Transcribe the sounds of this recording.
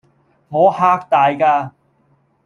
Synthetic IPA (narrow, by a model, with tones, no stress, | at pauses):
hɔː˨˥haː˥k̚t̪aː˨˧jkaː˧